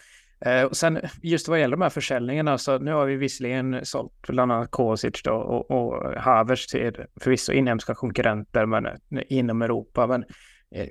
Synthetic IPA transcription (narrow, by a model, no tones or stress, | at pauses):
ɔsɛnjɵst̪vaɾjɛlːəɾd̪ɔmhæɾfœʂɛlnɪŋanaalsɔnʉ̟ːhaɾvɪvɪsəlɪɡənsɔ̰lt̪bland̪anːat̪̚kʰoːsɪ̰t̪ʂd̪o̰ɔ̰ʔɔ̰hɑvəʂt̪ʰɪ̰lfœɾvɪsːa̰ʔɪnːhɛmskakʰɔŋkɵɾʔɛnt̪əɾmɛ̰nɪnːɔmɛɾuːpamɛn